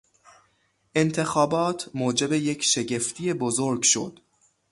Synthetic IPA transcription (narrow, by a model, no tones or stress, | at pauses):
ʔe̞nt̪ʰe̞xɒːbɒːt̪ʰmoːd͡ʒe̞bejecʰʃe̞ɟe̞ft̪ʰije̞bozoɾɡʃo̞̰d̪̥